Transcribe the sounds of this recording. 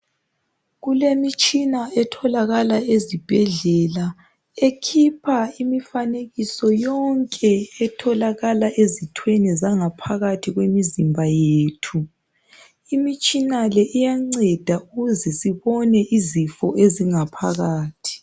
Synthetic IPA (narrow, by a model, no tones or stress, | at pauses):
ɣulemit͡ʃʼinaɛtʰɔlaɣalaezib̥ʱɛɮɛla | ekʰipʰaimifaneɣisɔjɔŋkʼɛːtʰɔlaɣalaʔezitʰwenɛzaŋapʰaɣatʰiɣwemizimbʱajeːtʰu | imit͡ʃʼinalɛʔijaŋ͡ǀɛd̥ʱauɣuzɛsiβɔnɛʔizifɔ̰ʔeziŋapʰaɣaːtʰi̥